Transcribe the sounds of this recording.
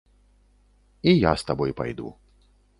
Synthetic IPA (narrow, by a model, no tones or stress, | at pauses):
ija̰st̪abɔjpa̰jd̪ṵ